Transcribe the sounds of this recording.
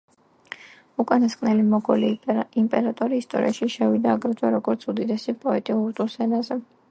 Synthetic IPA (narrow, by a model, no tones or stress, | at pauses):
ukʼanaskʼnɛlimɔɡɔlimpʼɛɾat̪ʼɔɾiːst̪ʼɔ̰ɾḭaʃiʃɛvid̪aːɡɾɛd̪zʼwaɾɔɡɔɾt̪sʰud̪id̪ɛsipʼɔɛt̪ʼiuɾt̪ʼuɾsɛnazɛ